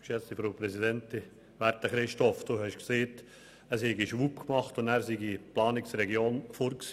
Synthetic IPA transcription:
kʃɛt͡stifɾoːpɾɛsidɛnti | ʋæɾtəχɾɪʃtɔfd̥uːhɛʃkseːt | əshɛɡiʃʋuːpkmɑχtʊndæːɾsiɡiplɑːnɪksɾɛɡjoːnfoːɾksi̥

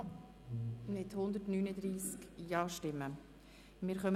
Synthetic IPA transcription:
nɪthʊnd̪ətnyːnəd̪ɾiːskjɑːʃtɪmːə | mɪːɾχœm

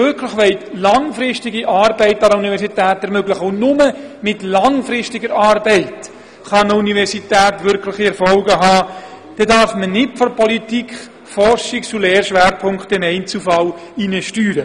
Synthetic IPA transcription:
øɾkʰlɪχʋɛɪtlɑŋfɾɪʃtɪɡiʔɑːɾbɛɪtɑɾəunivɛɾsitæːtɛɾmøɡlɪχəʊnʊməmɪtlɑŋfɾɪʃtɪɡəɾɑːɾbɛɪt | χɑnəunivɛɾsitæːtʋʏɾkʰlɪχiɛɾfɔlɡəɦɑː | d̥ɛdɑɾfmənɪtfɔɾpɔlitikχ | fɔrʃɪkt͡sulɛːɾʃʋæːɾpʰʊŋkt̪ɪnɛɪnt͡sufɑlinəʃtyːɾə

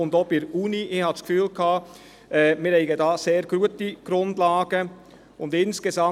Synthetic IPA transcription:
ʊndopɪɾuːniʔɪhɑtskfyːlkʰɑː | ʔɛmɪɾɛɪɡədɑːseːɾɡ̥ruətəɡ̥ɾʊndlɑːɡ̥ə | ʊndɪnskezɑ

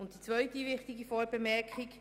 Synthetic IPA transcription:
ʊntd̥it͡sʋœʏtiʋɪχtiɡifɔːɾbɛmɛɾkχɪk

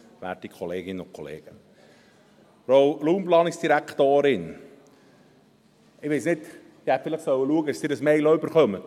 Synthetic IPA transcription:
ʋæ̰ːɾtikʰɔleːɡɪnəʊkʰɔlḛːɡ̥ə | ɾowluːmplɑːnɪksd̥iɾækt̪oːɾɪn | ɪʋesnɪt | d̪̥ɪhæt̪fɪləχsœwːəluəɡədəsd̥̪ɪːɾəsmɛɪlɔʏbəɾχœmə

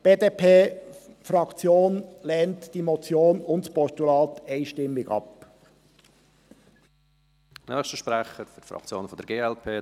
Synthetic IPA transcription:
b̥eːdepʰeːfɾɑkt͡sjoːnlɛːntd̥iːmot͡sjoːnʊntspɔstulɑːt̪eɪʃtɪmːɪɡɑ̰p | nœːxstəʃpɾæχəɾfytfɾɑ̰k̚t͡sjo̰ːnfɔd̥̪əɾɡeːɛlpʰeː

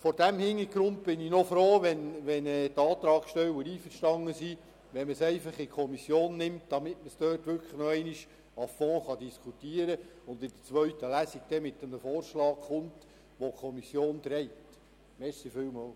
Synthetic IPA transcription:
fɔɾd̥æmhɪŋːəɡɾʊnt̚b̥ɪninɔfɾoːʋɛnʋɛnɛːtɑːt̪ɾɑːkʃtɛwəɾiːfəɾʃtɑŋːəsi | ʋɛməsɛɪfɑχɪkʰɔmisjoːnːɪmtd̥̪ɑmɪtməsd̥øːtʋʏɾkʰəχnɔɛɪniʃ | ɑfɔ̃ːχɑd̥iskʰutiəɾəʊnd̪ɪd̥ət͡sʋœɥtəlæsiɡ̚d̥ɛmɪt̪ːəməfoːɾʃlɑːkχʊnt | ʋɔkʰɔmisjoːnt̪ɾɛɪt | mɛsifɪlwmɑːl

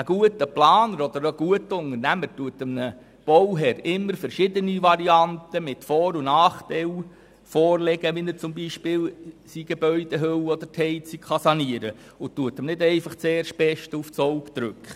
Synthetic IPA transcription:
əɡ̥uətəplɑːnəɾɔd̪əɾəɡ̥uətʊŋəɾnæmətuətəmnə | b̥ɔwɦɛɾɪmːəɾfəɾʃɪdəniʋɑɾiɑntəmɪtfɔːɾunɑːχtɛl | fɔːrlɛɡ̥əʋinəɾt͡sʊmbiʃpɪːlsiɡ̥ebœʏd̥ɛɦøwɔd̥̪əɾthɛɪt͡siχɑsɑniəɾə | ʊtːuətəmnɪdɛɪfɑχt͡seːɾʃb̥ɛʃtuft͡sɔwpt͡sɾʉkχ

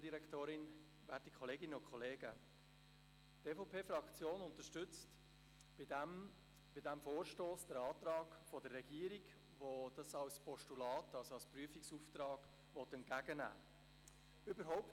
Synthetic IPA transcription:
diɾɛktoːɾɪn | væɾtikʰχɔleːɡɪnəʊkχɔleːɡə | teːfoʊpʰeːfɾɑkt͡sjoːnʊnt̪əʃtʏt͡st | b̥ɪdɛmfoːɾʃtoːsd̥əɾɑːt̪ɾɑːɡfɔdərːɛɡ̥iːəɾiɡ | ʋod̥ɑsɑlspɔʃtulɑːtɑlsoɑlspryəfiksuːftɾɑːɡ̥ | ʋɔtɛntɡ̥æɡənæ̰ː | ʏbəɾɦɔʊp̚t

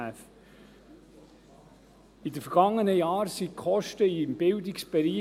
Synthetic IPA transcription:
æf | idəfəɾɡ̥ɑŋːənəjɑːɾsikʰχɔʃtəimb̥ɪldiksb̥ɛɾiː

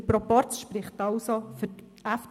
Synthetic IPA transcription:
pɾɔpɔɾtt͡sʃpɾɪχtɑlsofʏ | æf

